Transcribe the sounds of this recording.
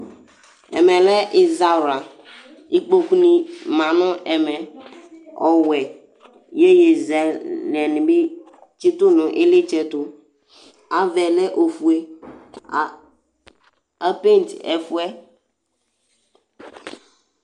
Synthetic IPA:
ɛ̰˨mɛ̃˨lɛ˦ʔɪ˨za˦˨ɾa˨ | i˦k͡po˨ku˦nĩ˨mã˨nʊ̃˦ʔɛ˨mɛ˨ | ɔ˨wɛ˨ | je˦je˨zɛ˨lɛ˨nɪ̃˨be˦ | t͡ʃi˦tʊ˦nʊ̃˨ʔɪ˦lɪ˦t͡ʃɛ˦tʊ˨ | a˨vɛ˨lɛ˦ʔo˨fu˨e˦˨ | a˦pe˦n˨tɛ̰˨fʊ˦ɛ˦

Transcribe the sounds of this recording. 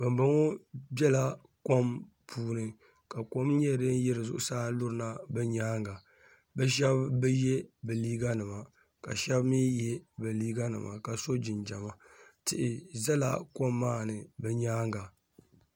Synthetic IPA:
bɨ˨mbɨ˦ŋo˦bɛ˦la˦ | ko˦m | pʰuː˦nɨ˨ | ka˨ko˦mɲɛ˦ɾɨ˦n˦jɪ˦ɾɨ˨zʊ˦ʔʊ˦saː˦lʊ˦ɾɨ˨na˦bɛ˦ɲaː˦ŋɡa˨ | bɛ˦ʃ̬ɛ˦bbɛ˦jɛ˦bɛ˨liː˦ɡa˦nɨ˨ma˨ | ka̰˨ʃɛ˦bmi˦jɛ˦bɨ˨liː˦ɡa˦nɨ̰˨ma̰˨ka˨so˦d͡ʒɪ˨nd͡ʒa˨ma˦tɪ˨ʔɪ˨za˦la̰˦ko˦mːaː˦nɨ˨bɛ˦ɲaː˦ŋɡa˨

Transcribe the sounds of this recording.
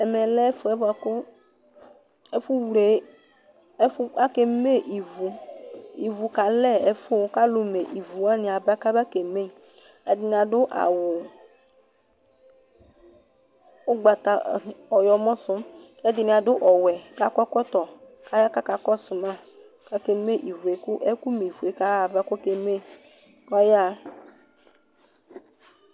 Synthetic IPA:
ɛ˨mɛ˨lɛ˦fo˨˦ɛ˦ba˨ko˦ | e˦fu˦wɾe˨˦ | fa˦ke˨me˦˨ʔi˨vu˨i˨vu˨ka˨lɛ˦e˨fo˦˨˦ka˦lo˨me˨ʔi˨vu˨a˦nɪ̃˨a˨ba˦ka˦ba˦ke˨me˦˨ | ɛ˦d̪ɪ˦n˨a˨dʊ˦ʔa̰˨wʊ˨ | ʊ˦ɡ͡ba˨t̪a˨ɔ˨jɔ˨mɔ̃˦sʊ˦m | ɛ˦d̪ɪ˨nɪ̃˨a˨dʊ˦ʔɔ˨wɛ˨ka˦kɔ˦kɔ˦t̪ɔ˨ | ka˦ja˦ka˦ka˨kɔ˦sʊ˨mã˦˨ | ka˦ke˨me˦ʔi˨vu˨e˨˦kʊ˦ʔɛ˦ku˦me˨i˨vu˨e˨˦ka˦a˨va˦kɔ˦ke˨me˦ | kɔ˦ja˦

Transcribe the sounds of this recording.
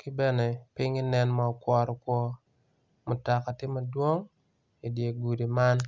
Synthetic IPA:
kɪ˦bɛ˦nɛ˨pɪ˦ŋɪ˦nɛ˦nma˨ɔ˨kwɔ˨ɾɔ˨kwɔ˦ | mʊ˨ta˨ka˨tɪ˦ma˨dwo˦ŋ | i˨dje˨ɡu˨di˨ma˦n

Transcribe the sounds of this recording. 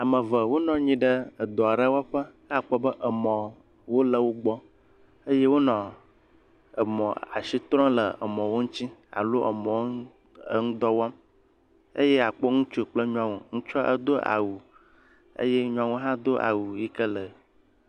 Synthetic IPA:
a˨mə̃˨və˨wo˦nɔ̃˨ɲĩ˦ɖə˦ə˨d̪ɔ˨a˨ɖə˦wa˦ɸə˦ka˨k͡pɔ˦bə˦ʔə˨mɔ̃˨ | wo˦lə˨wo˦ɡ͡bɔ˦ | ə˦je˦wo˦nɔ̃˨ | ə˨mɔ̃˨a̰˨si˦t̪ɾɔ̃˦lə˨ə̰˨mɔ̃˨wo˦ŋũ˦t͡ɕi˦a̰˨lo˦ʔə˨mɔ̃˨wo˦ | ŋũ˦d̪ɔ˦wa˦m | ə˦jɛ˦a˨k͡pɔ˦ŋũ˦t͡ʃu˦˨k͡plə˦ɲũ˦ã˨wo˨ŋũ˦t͡ʃɔ˦ʔə̰˦d̪o˦ʔa̰˨wu˨ | ə̰˦je˦ɲũ˦a˨wo˦ɦã˦d̪o˦ʔa̰˨wu˨ji˦kə˦lə˨

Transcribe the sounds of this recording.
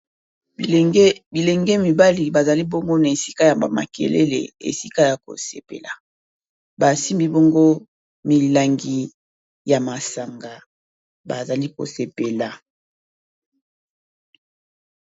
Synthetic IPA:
bi˨le˨ŋɡe˦mi˨ba˦li˨ba˨za˨li˦bo˦ŋɡo˦na˨e˨si̥˦ka˦ja˨a˨ma̰˨kḛ˨lḛ˦lḛ˨ḛ˨si˦ka˦ja˨ko̰˨sḛ˨pḛ˨la̰˨ | ba˨si˦mbi˦bo˦ŋɡo˦ | mi˨la˨ŋɡi˨ | ja˨ma˨sa˨ŋɡa˨ | ba˨za˨li˦ko̰˨se˨pe˨la˨

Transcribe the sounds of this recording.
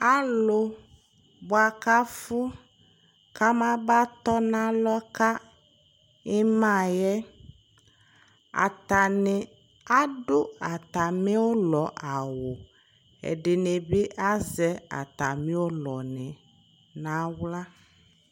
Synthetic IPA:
a˦lo˨ | bʊ˦a˨ka˦fu˦ | ka˦mã˦ba˦t̪ɔ˦nã˦lɔ˦ka˦ | ɪ˦mã˦˨jɛ˦ | a̰˨t̪a˨nɪ˨ | a˦ɖo˦a˨t̪a˨mɪ̃˦wo˦lɔ˨ʔa˨wo˨ | ɛ̰˨ɖɪ˨ne˨bɪ˦ʔa˦zɛ˦a̰˨t̪a˨mĩ˦wo˦lɔ˨nɪ˨ | nã˦wla˦

